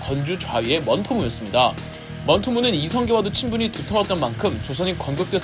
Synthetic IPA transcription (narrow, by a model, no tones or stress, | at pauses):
kʌnd͡ʑut͡ɕwaɥie̞mʌntʰomujʌs͈ɯmɲida | mʌntʰomunɯnisʰʌŋɡewadot͡ɕʰinbuɲitutʰʌwat͈ʌnmankʰɯmt͡ɕosʰʌɲikʌnɡɯk̚t͈we